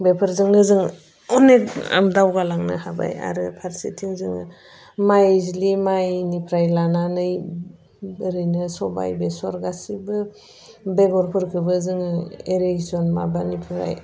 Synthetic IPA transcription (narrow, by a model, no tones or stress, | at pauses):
bepʰɯɾzɯŋnɯzɯŋ | ɔneka̰mdawɡalaŋnɯ̰haba̰ja̰ɾɯpʰaɾsetʰiŋzɯŋ | majzilimajnipʰɾajlananɯj | bɯɾɯjnɯsɔba̰jbesɔɾɡasibɯ | beɡɔɾpʰɯɾkʰɯbɯzɯŋɯeɾezɔnma̰banipʰɾa̰j